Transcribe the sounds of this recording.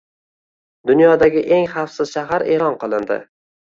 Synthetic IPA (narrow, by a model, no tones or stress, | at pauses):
d̪ʊnjɒd̪aɡʲɪʔe̞ŋχɑfsɪz̥ʃaɦaɾe̞lɒnqɨlˠɪnd̪ɪ̰